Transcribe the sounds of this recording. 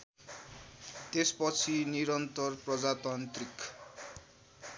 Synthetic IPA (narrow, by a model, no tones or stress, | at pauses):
t̪espʌt͡sʰiniɾʌnt̪ʌrprʌd͡zat̪ant̪rik